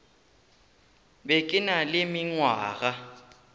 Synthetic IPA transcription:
bekʼɪnalemiŋwaːɣ̬a

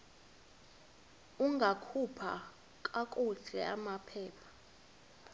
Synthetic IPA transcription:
uŋɡʱakʰupʰa̰ | kʼakʼuɮʱɛamapʰɛːpʰḁ

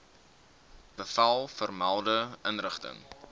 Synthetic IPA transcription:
b̥əfɐlˠfərmælˠdəənrəχtə̰ŋ

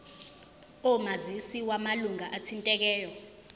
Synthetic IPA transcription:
ɔmazisiwamaluŋaʔatʰintʼɛk̬ɛːjɔ

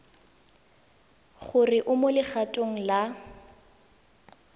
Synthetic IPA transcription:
χʊrɪʔʊmʊlɪχatʼoŋ̩la

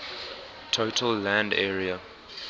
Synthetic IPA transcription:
tʰotʰəlːæ̃ndɛːɹiə

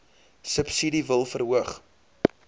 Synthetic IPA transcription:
səpsidivəlˠfəɾɦuəχ

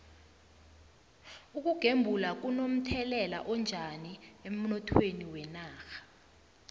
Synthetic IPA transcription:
uk̬ʼuɡ̥ʱembʱulak̬unom̩tʰɛlɛla̰ʔɔnd͡ʒʱaniem̩nɔtʰweniwɛnaːxḁ

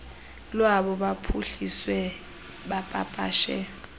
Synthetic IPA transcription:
lwaɓɔɓapʰuɬiswɛ | ɓapʼa̰pʼa̰ːʃɛ̰

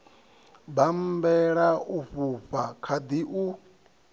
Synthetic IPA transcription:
bam̩bɛɺaʔuɸuɸakʰad̪iʔu

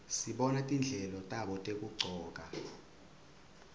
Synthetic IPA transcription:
siɓɔnatʼind͡ɮʱɛlɔtʼaɓɔtʼekʼuɡ͡ǀʱɔːk̬ʼa

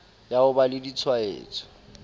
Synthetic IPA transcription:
jaʊbalɪdit͡sʰwaḛːt͡sʰʼɔ̥

